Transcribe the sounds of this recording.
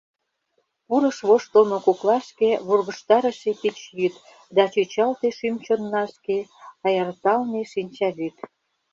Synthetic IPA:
puɾə̆ʃβoʃt̪omokoklɑʃkeβorɣə̆ʃt̪ɑɾə̆ʃepit͡ɕjyt̪ | d̪ɑt͡ɕyt͡ɕɑlt̪eʃymt͡ɕonːɑʃkeɑjɑrt̪ɑlneʃinʲt͡ɕɑβyt̪

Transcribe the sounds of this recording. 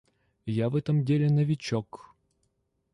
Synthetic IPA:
javɛt̪əmdʲelʲɪnəvʲɪt͡ɕɔk

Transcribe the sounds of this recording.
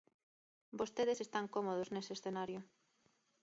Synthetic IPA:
bost̪eðesest̪aŋkomoð̞oznesesθenaɾjʊ

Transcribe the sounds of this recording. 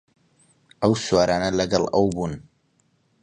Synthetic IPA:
ʔɐwsuwaːɾaːnɐlɐɡɐlˠɐwbuːn

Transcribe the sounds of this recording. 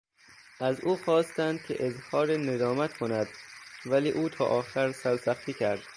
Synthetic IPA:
ʔæzuːxɒːst̪ænd̪̚kʰḛʔezhɒːɾened̪ɒːmæt̪kʰonæd̪væliːʔuːt̪ʰɒːʔɒːxæɾsælsæxt̪ʰiːcʰæɾd̪̥

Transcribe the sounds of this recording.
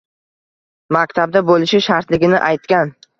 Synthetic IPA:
makʲt̪ʰab̚d̪abolɪʃɪʃaɾt̪lɪɡʲɪnɪʔajt̪̚kʲan

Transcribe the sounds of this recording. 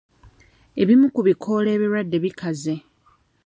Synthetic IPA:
eβimukuβikʰo̞le̞ːβiɾwadːe̞βikaze̞

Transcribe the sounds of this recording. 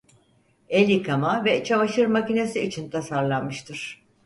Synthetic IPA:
elʲikʰamavɛt͡ʃʰamaʃɯɾmacine̞siːt͡ʃʰint̪ʰasaɾlˠanmɯʃt̪ʰɯɾ̝̥

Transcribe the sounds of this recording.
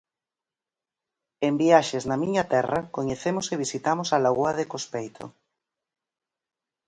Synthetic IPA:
embiaʃeznɐmiɲɐt̪ɛrakoɲeθemoseβ̞isit̪amosalaɣwaðekospejt̪ʰo̰

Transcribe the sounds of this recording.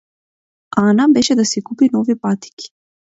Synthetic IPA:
anabɛʃɛd̪asikupinɔvipat̪i̥kʲi̥

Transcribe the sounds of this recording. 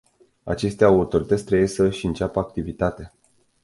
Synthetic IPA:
a̰t͡ʃe̞st̪eawurt̪o̞ɾit̪ət̪sʲt̪ɾəje̞səʃiɨnt͡ʃapəak̚t̪ivit̪at̪e

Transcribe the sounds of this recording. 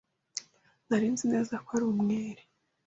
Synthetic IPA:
naɾiːnzine̞ːzakwaɾuːmŋeːɾe

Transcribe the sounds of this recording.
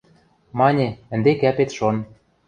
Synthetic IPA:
mɑnʲeɘ̆nd̪ekæpet̪ʃon

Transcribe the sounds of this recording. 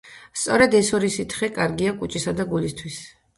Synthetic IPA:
st̪sʼɔɾɛd̪ɛsɔɾisit̪ʰχɛkʼaɾɡiakʼut͡ʃʼisad̪aɡulist̪ʰwis

